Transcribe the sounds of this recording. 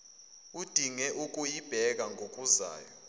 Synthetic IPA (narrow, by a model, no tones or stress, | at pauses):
ud̥ʱiŋɛʔuk̬ʼujib̥ʱɛk̬aŋʱokʼuza̰ːjɔ